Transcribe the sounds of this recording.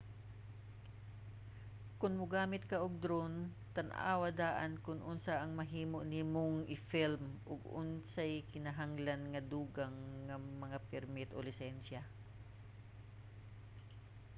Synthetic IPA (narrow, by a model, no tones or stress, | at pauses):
kʊnmʊɡaːmɪt̪̚kɐʔʊɡ̚d̪ɾon | t̪ɐnʔa̰ːwad̪aːʔankʊnʔʊnsaʔɐŋmɐɦiːmoʔnɪmʊŋʔɪfilmʔʊɡʊ̰nsajkɪnɐɦaŋlanŋɐd̪uːɡaŋːɐmɐŋapɛɾmɪt̪ʔo̰lɪsɛnsa